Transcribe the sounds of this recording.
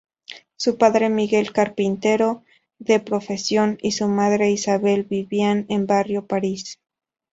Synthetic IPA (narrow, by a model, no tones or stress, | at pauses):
supaðɾe̞miɣe̞lkaɾpint̪e̞ɾo̞ | ðe̞pɾo̞fe̞sjo̞nisumaðɾe̞isaβe̞lβiβianembarjo̞paɾis